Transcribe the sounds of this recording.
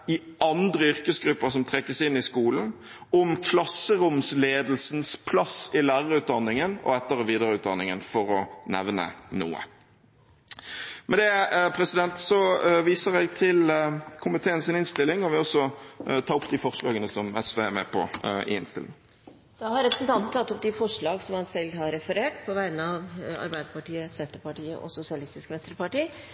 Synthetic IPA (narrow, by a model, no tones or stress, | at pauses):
ɪʔɑnd̪ʁəʏɾkəsɡɾʉpːəʁsɔmt̪ʰʁɛkːəsɪnːɪskuːln̩ | ɔmkʰlɑsːəɾʊmsleːd̪l̩sn̩spʰlɑsɪlæːʁəɾʉːt̪̚d̪ɑnːɪŋənɔ̰ɛt̪ːəɾəʋiːd̪əʁəʉːt̪̚d̪ɑ̰nːɪŋənfɔʁɔnɛ̰ʋnə̰nṵːə̰ | mʔɛnd̪ɛpʰɾɛsɪd̪ɛnt̪sɔʋiːsəʁɛɡt̪ʰɪlkʰʊmɪt̪ʰeːənsɪnɪnst̪ɪlːɪŋɔʋɪɔsɔt̪ʰɑːʊpd̪ɪfɔʁʂɭɑːɡənəsɔmɛsʋemɛpʰɔʔɪ̰ɪnst̪ɪ̰lʔɪ̰ŋ | d̪̥ɑhɑɾɛpɾəsənt̪ʰɑnt̪n̩t̪ʰɑt̪ːɔp̚d̪ɪfɔʂɭɑːɡsɔmhɑnsɛlːɦɑɾɛfəɾeːʈpʰɔʋæɪnəɑʋɑ̰ɾbæɪd̪əpɑʈiːəsɛnt̪əpɑʈiːə̰ʔɔ̰sʊsɪɑlɪst̪ɪskʋɛnst̪əɾpɑʈiː